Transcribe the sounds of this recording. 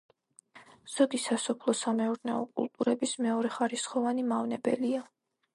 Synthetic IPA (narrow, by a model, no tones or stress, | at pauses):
z̥ɔd̪isasɔpʰlˠɔsamɛuɾnɛɔkʼṵlˠt̪ʼuɾɛbismɛɔɾɛχaɾisχɔvanimavnɛbɛ̰lia